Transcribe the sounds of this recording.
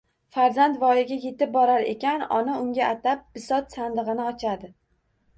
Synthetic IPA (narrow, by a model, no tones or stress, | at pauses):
faɾzandt̪vɒjɪɡʲaje̞t̪ɪp̚bɒɾaɾe̞̰kʲanɒ̰naʊŋɡʲaʔat̪ap̚b̥ɪsɒt̪sand̪ɨʁɨnɪɒt͡ʃʰad̪ɪ